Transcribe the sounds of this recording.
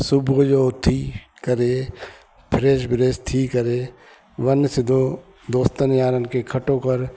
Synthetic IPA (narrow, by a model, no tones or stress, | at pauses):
sʊbɡod͡ʒoːt̪ʰiː | kəɾeː | pʰɾeːʃbɪɾeːst̪ʰiːkəɾeː | ʋɐnːsɪd̪o | d̪oːst̪ənjaːɾənkekʰɐʈõkɐɾ